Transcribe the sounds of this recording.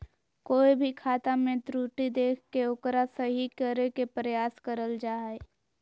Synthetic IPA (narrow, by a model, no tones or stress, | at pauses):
koːibʱikʰaːt̪amẽt̪ɾuːʈid̪eːkʰkeʊkɾasəɦikəɾekepɾəjaːskəɾəld͡ʒaːe